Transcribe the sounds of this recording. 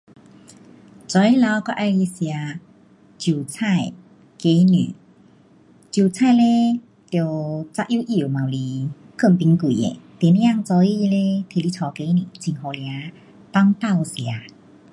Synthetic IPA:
t͡sɔ˧˦i˦la˧˦wkɔ˧ʔa˧jli˧sja˧ | t͡ɕu˨˩t͡sʰa˥˧˨j | ke˧˦ny̰˨ | t͡ɕju˨˩t͡sʰa˥˧˨jle˧ | t̪jwt͡sa˦˧ʔju˧˦ʔi˧˩˨mã˨wli˧ | kə˥˧˩mpi˧˦ŋki˨ḛ˨t̪jnja˥˧ŋt͡sɔ˧˦i˧le˧t̪ʰe˧˨li˧t͡sʰɔ˧ke˧˦ni˧˨˩t͡si˧˩ŋɦɔ˧lja˧˦ | p̪a˦˧ŋp̪a˥˧˨wsja˨˦

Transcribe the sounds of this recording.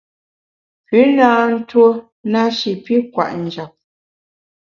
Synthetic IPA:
pʉ˨˦naː˦n̩˦two˦ | na˦ʃi˨pi˦kwa̰˨ʔn̩˨d͡ʒa˨p̚

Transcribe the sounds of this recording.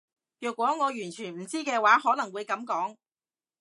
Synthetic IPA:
jœː˨k̚wɔː˨˥ŋɔː˨˧jyː˨˩nt͡ʃʰyː˨˩nm̩˨˩t͡siː˥kɛː˧waː˨˥ɦɔː˨˥nɐ˨˩ŋwuː˨˧jkɐ˨˥mkɔː˨˥ŋ

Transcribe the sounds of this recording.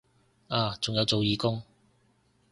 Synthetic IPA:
aː˨˧t͡sʊ˨ŋjɐ˨˧wt͡so˨wjiː˨˧kʊ˥ŋ

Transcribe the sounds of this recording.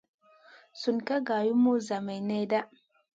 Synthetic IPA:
su˨nka˦ɡa˨ju˦mu˦za˨ma˨jna˦da˦ʔ

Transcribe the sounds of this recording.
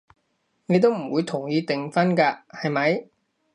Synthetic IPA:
ne˨˧jt̪o˥wm̩˨˩wuː˨˧jt̪ʰʊ˨˩ŋjiː˧t̪ɪ˨ŋfɐ˥nkaː˧hɐ˨jmɐ˨˥j

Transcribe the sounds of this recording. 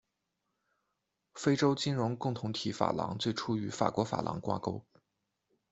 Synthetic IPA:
fe˥ɪʈ͡ʂo˥ʊt͡ɕi˥nɻʊ˧˥ŋkʊ˥˩ŋt̪ʰʊ˧˥ŋt̪ʰi˨˥fa̰˨˩lɑ̰˧˥ŋt͡swe˥˩ɪʈ͡ʂʰu˥y˨˧˥fa̰˨˩kwɔ˧˥fa̰˨˩lʔɑ̰˧˥ŋkwa̰˥ko˥ʊ

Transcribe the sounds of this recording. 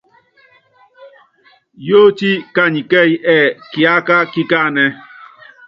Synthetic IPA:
jo˦ti˦ka˦ɲi˨ke˦˨jʔɛ˦˨ki˨a˦ka˦ki˦ka˦˨nɛ˦

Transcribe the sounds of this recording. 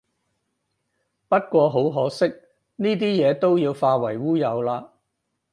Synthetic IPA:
pɐ˥t̚kʷɔː˧ɦo˨˥wɦɔː˨˥sɪ˥k̚ | niː˥t̪̬iː˥jɛː˨˧t̪o˥wjiː˧wfaː˧wɐ˨˩jwuː˥jɐ˨˧wlaː˧

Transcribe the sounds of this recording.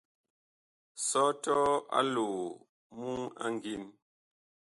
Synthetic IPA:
sɔ˦tɔ˦a̰˦loː˨ | mu˦ŋa̰˦ŋ˨ɡi˦˨n

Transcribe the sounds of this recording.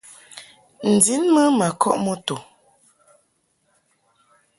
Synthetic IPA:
n̩˨di˨˦nmə˦ma˨kʰɔ̰˦ʔmɔ˦to˨

